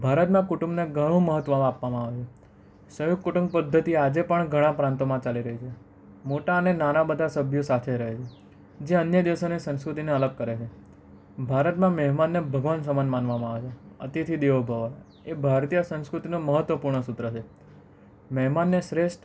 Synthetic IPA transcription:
bʱaɾət̪mãkuʈũmneɡʱəɽ̃ũməɦət̪ːʋəm̃apʋamãːʋet͡ʃʰe | səjoɡ̚kuʈə̃ŋɡ̚pəd̪ʱːət̪iad͡ʒepəɳɡʱəɽ̃ãpɾãnt̪omãt͡ʃaliɾəɦit͡ʃʰe | moʈaənenanabəd̪ʱasəbʱjosat̪ʰeɾəɦet͡ʃʰe | d͡ʒeənjəd̪iʋəsonesə̃nskɾut̪ineələɡ̚kəɾet͡ʃʰe | bʱaɾət̪mãmɛɦmanːebʱəɡʋansəmənmanʋamãaʋet͡ʃʰeə̰t̪it̪ʰid̪eʋobʱəʋa | ebʱaɾt̪ijəsə̃nskɾut̪inõməɦət̪ʋəpuɾɳəsʊt̪ɾət͡ʃʰe | mɛɦmanːeʃɾeʃʈ

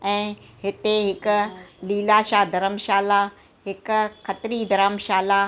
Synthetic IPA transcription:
ɛ̃ː | ɦɪt̪eɦɪkʊ̆liːlaʃaːd̪ɐɾəmʃaːla | ɦɪkʊxɐt̪ɪɾid̪ɐɾəmʃaːlaː

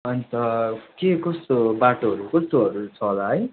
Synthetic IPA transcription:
ʌnit̪ʌkekʌst̪obaʈoɦʌɾukʌst̪oʌɾut͡sʰʌolaɦʌj

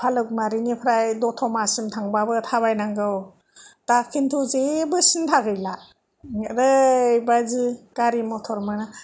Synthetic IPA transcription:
pʰalɯk̚maɾinipʰɾajdɔtʰɔmasɯmtʰaŋbabɯtʰaβajnaŋɡɯw | takʰintʰuzebɯsintʰaɡɯjla | ɾɯjbazɯkaɾimɔtʰɔɾmɯna

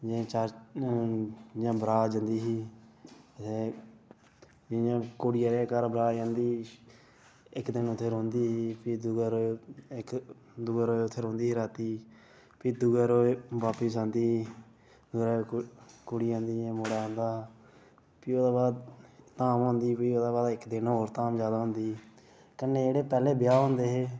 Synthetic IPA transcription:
d͡ʒãt͡ʃaː | d͡ʒjãːbəɾaːd͡ʒə̃nd̪iːɦiː | ət̪ʰe | d͡ʒɪjãːkoːɽijaːɾeːkəɾbɾaːd͡ʒãːnd̪iː | ɪkd̪ɪnʊt̪ʰːeːɾõːnd̪iːɦːpid̪ʊɡaːɾoːɪk | d̪ʊɡaːɾoːʊt̪ʰːeːɾõːnd̪iːɾaːt̪iː | piːd̪ʊɡɛːɾoːeʋaːpisãːnd̪iː | d̪ʊɾaːkoɽiːãːnd̪iːẽːmoːɽaãːnd̪aː | piːoːd̪aːbaːd̪t̪aːmɦõːnd̪iːpiːoːd̪aːbaːd̪ɪkd̪ɪnɦoːɾt̪aːmd͡ʒjaːd̪aːɦʊ̃nd̪iː | kənːeːeːɽeːpɛːleːbɪjaːɦʊ̃nd̪eːɦeː

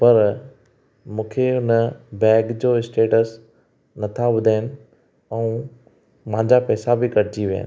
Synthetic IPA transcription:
pɐɾ | mũːkʰeʊnəbɛːɡd͡ʑoːɪsʈeːʈəs | nɐt̪ʰabʊd̪ʱaːɪnɪ̆ | ɛ̃ũ | mãɦɲd͡ʑapɛːsabɪkɐɾd͡ʑiʋija̰n

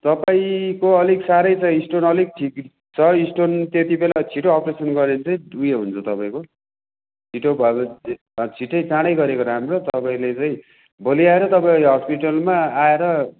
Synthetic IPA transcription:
t̪ʌpaĩkoʌliksaɾʌjt͡sʰʌ̃isʈonʌlik̚ʈʰik | t͡sʰʌisʈont̪et̪ibelat͡sʰiʈoʌpresʌnɡʌɾent͡saĩdujeɦunt͡sʰʌt̪ʌpaĩko | t͡sʰiʈobʱʌebʌ | t͡sʰiʈːʌjt͡saɽ̃ʌjɡʌɾekoɾamrot̪ʌpaĩlet͡saĩ | bʌliaeɾʌt̪ʌpaiʌɦʌspiʈʌlmaaeɾʌ

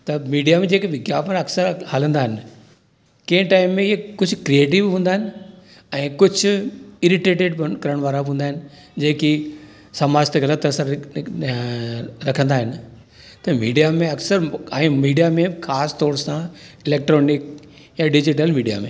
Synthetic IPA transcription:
t̪ɐmiːɖijamẽd͡ʑeːkiʋɪɡjaːpəɐksəɾhalə̃nd̪aːɦɪnɪ̆ | kẽːʈaːɪmːẽɪekʊd͡ʑʱʊkɾieːʈɪʋɦũːnd̪aːɦɪnɪ | ɛ̃ːkʊd͡ʑʱʊɪɾɪʈeːʈeːɖkɐɾəɽ̃ʋaːɾaɦũːnd̪aːɦɪnɪ̆ | d͡ʑeːki | sɐmaːd͡ʑt̪eɡɐlət̪ɐɾsəɾ | ɾɐkʰə̃nd̪aːɦɪnɪ | t̪ɐmiːɖijamẽɐksəɾɛ̃ːmiːɖijamẽxʰaːst̪ɔːɾsãɪleːk̚ʈɾɔːnɪk̚ | jãɖɪd͡ʑɪʈəlmiːɖija̰mḛ̃ː

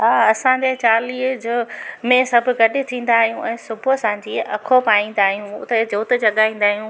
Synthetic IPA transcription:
ɦaːɐsãːɲd͡ʑet͡ɕaːliːd͡ʑʊmẽsɐbʱʊ̆ɡɐɗɪ̆t̪ʰĩːn̆d̪aːɦijũʔɛ̃ːsʊbʱʊɐsãːɲd͡ʑiːɐkʰopaːĩːn̆d̪aːɦijũʊ̰t̪ed͡ʑoːt̪d͡ʑɐɠaːĩːn̆d̪aːɦijũ

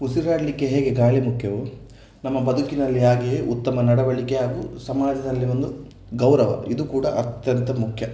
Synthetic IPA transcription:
usiɾaːɽɭikːeɦeːɡe̞ɡaːɭemukʰjɐʋu | nɐmːɐbɐd̪ʱukinɐlːiaːɡieʔut̪ːɐmɐnɐɽɐʋɐɭikeɦaːɡṵsɐmaːd͡ʒɐd̪ɐlːiʋo̞nd̪u | ɡɐwɾɐʋɐ̰id̪ukuːɽɐ̰ʔɐt̪jɐnt̪ʰɐmukʰjɐ

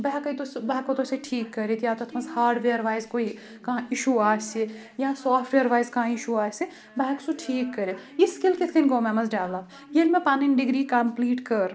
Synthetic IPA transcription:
bɐɦɛkɐit̪osbɛɦkot̪oseʈʰiːkːɐɾet̪jaːt̪oɐt̪ʰmɐzhaːɾɖʋeːɾʋaːɪzkoːi | kɐɦãɪʃuaːse | jɐãsaːfʈʋeːɾʋaːjzkɐɦãɪʃuaːse | bɛɦksuʈʰiːkːɐɾejiskɪlkɪt̪ʰkɐnɡoːmɛ̃mɐzɖaːʋlaːp | jelmẽpaːnɪɳɖɪɡɾiːkɐmpliːʈkɐɾ

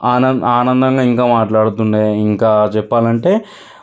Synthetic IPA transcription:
aːnɐnaːnɐnd̪ɐŋɡaːiŋkaːmaːʈlaːɽut̪uɳɖeːiŋkaːt͡ʃɛpːaːlɐɳʈe̞ː

